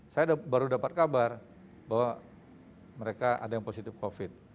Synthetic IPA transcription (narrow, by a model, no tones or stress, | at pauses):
sajadbaɾudapat̪̚kabar | bawa | məɾekaʔa̰dajaŋposit̪ɪfkofɪt̪̚